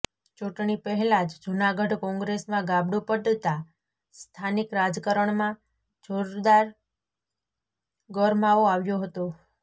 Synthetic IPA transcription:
t͡ʃuʈɳipəɦɛlad͡ʒd͡ʒunaɡəɖkɔ̃ŋɡɾesmãɡabɽupəʈt̪a | st̪ʰanikɾad͡ʒkəɾəɳmã | d͡ʒoɾd̪aɾ | ɡəɾmaoaʋjoɦət̪o

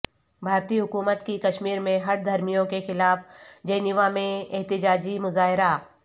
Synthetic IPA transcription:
bʱaːɾt̪iːɦʊkuːmət̪kikɐʃmiːɾmẽɦɐɽd̪ʱɐɾmijõkexɪlaːfd͡ʒɐːnɪʋamẽɛɦt̪ɪd͡ʒaːd͡ʒimʊzaːɦɪɾa

